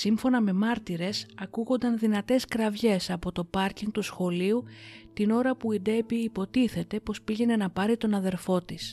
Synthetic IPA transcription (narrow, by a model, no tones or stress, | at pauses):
siɱfo̞nɐme̞mɐɾt̪iɾe̞sɐkuɣo̞nd̪ɐnðinɐt̪e̞skɾɐvʝe̞sɐpo̞t̪o̞pɐɾciŋɡ̚t̪usxo̞liut̪ino̞ɾɐpuid̪e̞piːpo̞t̪iθe̞t̪e̞po̞spiʝe̞ne̞nɐpɐɾit̪o̞nɐðe̞ɾfo̞t̪is